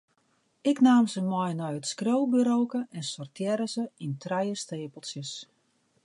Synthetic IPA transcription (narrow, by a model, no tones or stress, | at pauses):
ɪknaːmzəmɔjnɔjətskrowbyɾoːkəɛnsɔrtjɛɾəzəintrajəsteːpəlˠsjəs